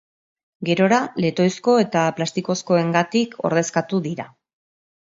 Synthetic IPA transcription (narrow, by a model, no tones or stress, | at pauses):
ɡe̞ɾo̞ɾale̞t̪o̞jsko̞e̞t̪aplast̪iko̞sko̞e̞ŋɡat̪ikʰo̞̰ɾðe̞skat̪uðiɾa